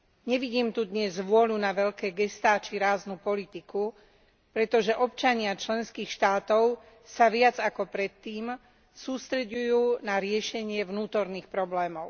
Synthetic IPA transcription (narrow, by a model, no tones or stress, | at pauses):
ɲɛʋiɟiːmt̪ud̪ɲɛzʋʊɔlunaʋɛʎkɛːɡɛst̪aːt͡ʃiɾaːznupɔlit̪iku | pɾɛt̪ɔʒɛʔɔp̚t͡ʃaɲɪat͡ʃlɛnskiːxʃt̪aːt̪ɔʊ | saʋɪad͡zakɔpɾɛt̪ːiːm | suːst̪ɾɛɟujuːnaɾɪɛʃɛɲɪɛʋnuːt̪ɔɾniːxpɾɔblɛːmɔʊ